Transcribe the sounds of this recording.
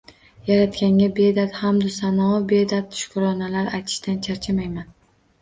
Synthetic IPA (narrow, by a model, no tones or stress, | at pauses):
jaɾat̪kʲaŋʲabe̞d̪at̪hamd̪ʊsanɒbe̞d̪at̪̚ːʊ̥ʃkʰʊɾɒnalaɾajt̪ʰɪ̥ʃt̪ant͡ʃʰaɾt͡ʃʰamajman